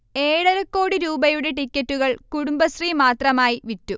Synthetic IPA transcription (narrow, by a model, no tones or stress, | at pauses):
e̞ːɻɐɾɐkːoːɽiɾuːbɐjuɽe̞ʈ̬ikʲːɐtːuɣɐɭkuɽumbɐsrimaːt̪rɐmaːjiʋitːu